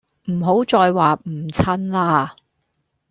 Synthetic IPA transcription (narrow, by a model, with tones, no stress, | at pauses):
m̩˨˩ɦo˨˥wt͡sɔː˧jwaː˨m̩˨˩t͡sʰɐ˥nlaː˥